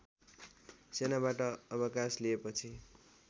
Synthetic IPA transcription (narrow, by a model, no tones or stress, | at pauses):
senabaʈʌːbʌkasliepʌt͡sʰi